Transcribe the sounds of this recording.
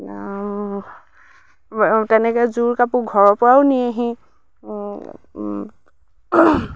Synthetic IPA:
tɛnɛkɛzuɹkapuɡʱɔɹɔpɔawniaɦĩ

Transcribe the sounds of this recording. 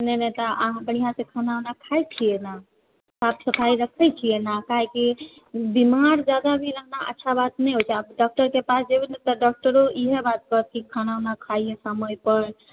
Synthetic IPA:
nɛnat̪ɔʔaɦãbəɽijɦãsẽkʰanawnakʰajt͡ʃʰijɛna | sapsəpʰaiɾəkʰɛjt͡ʃʰijenakaɦeki | bimaɾd͡ʒad̪abʱiɾəknaʔə̰tːʃʰabat̪nɛɦot͡ʃʰɛabɖɔk̚ʈəɾkepasd͡ʒebʱinɛt̪ɔɖɔk̚ʈəɾoʔiɦebat̪̚kət̪̚kikʰanawnakʰajesaməjpəɾ

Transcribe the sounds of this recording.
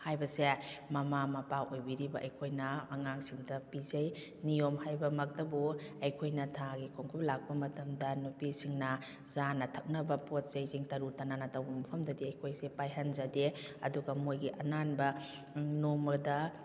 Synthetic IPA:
hajbɐsemɐmamɐpawʔojbiɾibɐʔɐjkʰojnɐːŋaŋsiŋdɐpizɐj | nijomhajbɐmɐk̚dɐbuɐjkʰojnɐtʰaɡikʰoŋkʰuplak̚pɐmɐtɐmdɐnupisiŋnɐ | z̥anɐtʰɐk̚nɐbɐpot̚sejziŋtɐɾutɐnanɐtɐwbɐmɐpʰɐmdɐdiɐjkʰojsepajɦɐnzɐdeɐ̰duɡɐmojɡiʔɐnanbɐ | nomɐɾdɐ

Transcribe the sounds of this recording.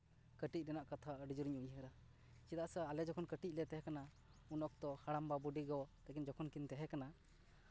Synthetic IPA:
kəʈic̚ɾɛnaʔkat̪ʰaəɖid͡ʒuɾɲuɲɦəɾa | t͡ʃid̪aʔsaalɛd͡ʒɔkʰɔnkəʈic̚lɛt̪ɛɦɛkana | unɔk̚t̪ɔhaɽambabuɖiɡɔt̪ɛkind͡ʒɔkʰɔnkint̪ɛɦɛkana

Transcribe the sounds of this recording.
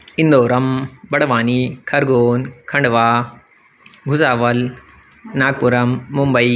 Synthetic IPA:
ɪ̃nd̪oːɾɐmbɐɽ̤ʋaːnikʰɐɾɡoːnkʰɐ̃ɳɖʋaː | ɡʱʊzaːʋɐl | naːɡ̚pʊɾɐmːʊmbɐiː

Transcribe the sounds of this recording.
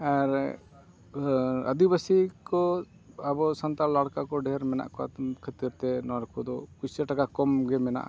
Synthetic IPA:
aɾ | ə̰d̪ibəsikɔ | abɔsant̪allaɽkakɔɖɛɾmɛna̰ʔkɔkʰət̪iɾt̪ɛnɔɽkʰud̪ɔkusaʈakakɔmɡɛmɛna̰ʔa

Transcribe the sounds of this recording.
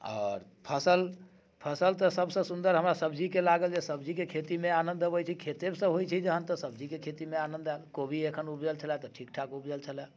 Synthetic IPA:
ɔ̰ːɾpʰəsəl | pʰəsəlt̪ɔsəbsə̃sund̪əɾɦəmɾasəbd͡ʒikelaɡəld͡ʒesəbd͡ʒikekʰet̪imeanə̃nd̪əbɛt͡ʃʰikʰet̪ebsə̃ɦojt͡ʃʰid͡ʒəɦənt̪ɔsəb̚d͡ʒikekʰet̪imeanənd̪ɛlkobʱiekʰənupd͡ʒəlt͡ʃʰəlɛt̪ɔʈʰikʈʰakupd͡ʒəlt͡ʃʰəlɛ

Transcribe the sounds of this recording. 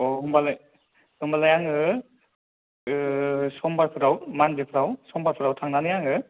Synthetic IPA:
ɔɦɯmbalaj | hɯmbalajaŋɯ | sɔmbaɾpʰɯɾawmanzipʰɯɾawsɔmbaɾpʰɯɾawtʰaŋnanɯjaŋɯ

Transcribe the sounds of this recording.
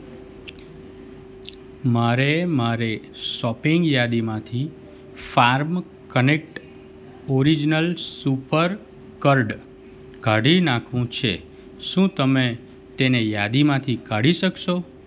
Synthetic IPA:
maɾemaɾe | ʃɔpɪŋɡjad̪imãt̪ʰi | faɾm | kənek̚ʈ | oɾid͡ʒnəlsupəɾ | kəɾɖ | ɡʱaɽinãkʰʋũt͡ʃʰe | ʃũt̪əme | t̪enejad̪imãt̪ʰikaɽiʃəkʃo

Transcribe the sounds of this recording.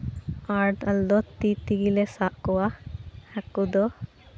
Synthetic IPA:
aːɾʈɐld̪ɔt̪it̪iɡilesaːʔkuwahakːud̪ɔ

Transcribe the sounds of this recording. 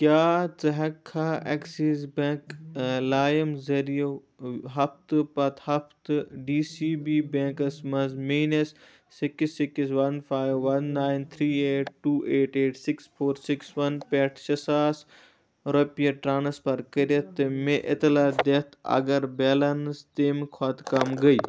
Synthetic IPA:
kjaːt͡sɐɦɐkʰːaɛksiːzbẽːklaːjɐmzɐɾijo | ɦɐft̪pɐt̪hɐft̪ɖiːsiːbiːbẽːŋkɐsmɐ̃nzmiːnɐsː | ikisikisʋɐnfʰaːjʋːɐnːaːjnt̪ʰɾiːeːʈ̚ʈuːʔeːʈeːʈsiksfʰoːɾsiksʋɐnpɛːʈʰʃɐsaːs | ɾopijɐʈɾaːnɐspɐɾkɐɾjɐt̪ːɨmeʔɪt̪laːd̪eːt̪ʰɐ̰ɡɐɾbeːlɐnst̪eːmkʰat̪kɐmɡɐiː

